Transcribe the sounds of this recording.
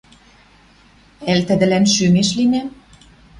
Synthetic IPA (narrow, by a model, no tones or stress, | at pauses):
ælt̪ɘ̆d̪ɘ̆lænʃymeʃlinʲæ